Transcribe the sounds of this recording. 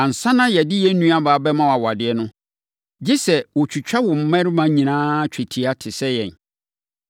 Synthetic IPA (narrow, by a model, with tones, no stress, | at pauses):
ã˨n̩˨sã˦nã˦jɛ˨dɪ˦jɛ˦n̩˦nũ˦a˦baː˨˦bɛ˦mã˦wa˨wɔ˨a˨dɪ˨ɛ˦nʊ̃˦ | d͡ʑɪ˦sɛ˨wɔ˨t͡ɕʰᶣu˨t͡ɕᶣa˦wɔ̃˨m̩˦mɛ̃˦ɾɪ˦mã˦ɲĩ˨nãː˦t͡ɕᶣʰæ˨tʰi˨a˦tʰɪ˨sɛ˦jɛ̰̃˨n